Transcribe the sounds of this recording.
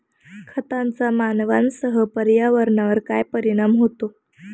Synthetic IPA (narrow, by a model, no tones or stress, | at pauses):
kʰət̪ant͡samanʋansəɦəpəɾjaʋəɾnaʋəɾkajpəɾiɽ̃amɦot̪o